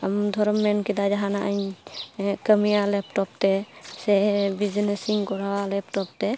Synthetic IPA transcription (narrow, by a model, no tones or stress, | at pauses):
amd̪ʱɔɾɔmːɛnkid̪ad͡ʒaɦanaʔəɲ | kəmijalɛpʈɔp̚t̪ɛsɛɦɛbid͡ʒnesiŋkɔɾawalɛp̚ʈɔp̚t̪ɛ